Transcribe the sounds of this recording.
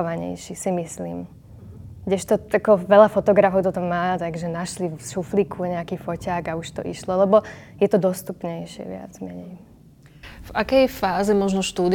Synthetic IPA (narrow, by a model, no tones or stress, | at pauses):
ɔʋaɲɛ̰jʃisimislḭːm | ɡɟɛʃt̪ɔakɔʋɛʎafɔt̪ɔɡɾafɔʊt̪ɔt̪ɔmːaːt̪aɡʒɛnaʃlifʃuflikʰuɲɛakiːfɔcaːɡauʃt̪ɔ̰ʔḭʃlɔlɛbɔjɛt̪ɔd̪ɔst̪upɲɛjʃɪɛ̰ʋɪa̰d͡zmɛɲɛ̰j | vakɛjfaːzɛmɔʒnɔʃt̪uːd̪